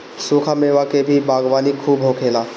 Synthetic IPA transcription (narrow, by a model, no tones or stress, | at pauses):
suːkʰameʋakebʱibaːɡʋaːnikʰuːbɦokʰeːlaː